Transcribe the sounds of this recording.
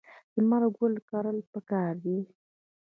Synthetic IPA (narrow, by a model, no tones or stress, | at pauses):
d̪̥əmaɾaɡolkɑɾəlpəkɑɾd̪i